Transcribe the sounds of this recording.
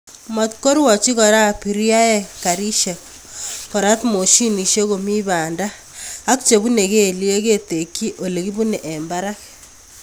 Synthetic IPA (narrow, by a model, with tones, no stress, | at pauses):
mɔ˨t̪ko˦ɾwɔ˨t͡ʃi˦ɣɔ˨ɾa˦pi˨ɾja˦ɛ˦ka˨ɾi˦ʃe˨k | kɔ˨ɾa˦t̪mo˨ʃi˦ni˨ʃe˦ɣo˨mi˦βa˨ndaː˦ | k̚t͡ʃe˨βu˦ne˨ɣe˦˨li˦e˦ɣe˦t̪e˨kːi˦ʔo˨le˨ɣi˦βu˦ne˨ʔɛ˨mba˦ɾa˦k